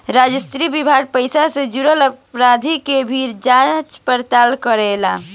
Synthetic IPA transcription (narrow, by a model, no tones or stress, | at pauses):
ɾad͡ʒəst̪ɾibibʱaɡ̚pəjsased͡ʒuɾələpɾad̪ʱikebʱiɾd͡ʒat͡ʃpəɾt̪alkəɾela̰